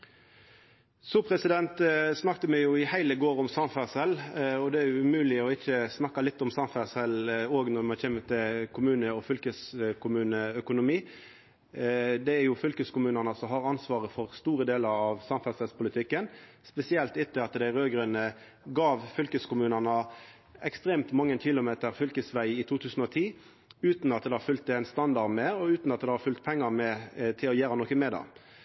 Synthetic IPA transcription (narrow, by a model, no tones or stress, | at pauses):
sɔːpʰɾɛsɪd̪ɛnt̪snɑkt̪əmæɪjʊɪhæɪləɡoːɾɔmsɑnfæsɛlɔd̪ɛæjʊʉmʉːlɪɔɪçːəsnɑkːɑlɪt̪ːɔmsɑnfæsɛloːɡnɔɾmɑnçɛːmːət̪ʰɪlkʰʊmʉːnəɔfʏlkəskʰʊmʉːnəœkʊnʊmiː | d̪ɛæɾjʊfʏlkəskʊmʉːnɑnɑsɔɦɑɾɑnsʋɑːʁəfɔʁst̪uːɾəd̪eːləɾɑʋsɑmfɛlsɛspʊlɪt̪ʰɪkːən | spɛsɪɛlt̪ɪt̪ːəɑt̪d̪æɪʁøːɡɾʉnə | ɡɑːʋfʏlkəskʊmʉːnənɑ | ɛkst̪ʁeːmt̪mɑŋːəntʰɪlʊmeːt̪əʁfʏlkəsʋæɪɪt̪ʰuːt̪ʰʉːsn̩ɔt̪ʰiː | ʉːt̪nɑt̪̚d̪ɛhɑɾfʉlt̪æɪnst̪ɑnd̪ɑʁmɛɔʉːt̪nɑt̪̚d̪ɛhɑɾfʉlt̪̚pʰɛŋːəmɛt̪ʰɪlɔjæːɾɑnɔkːəmeːd̪ɑ̰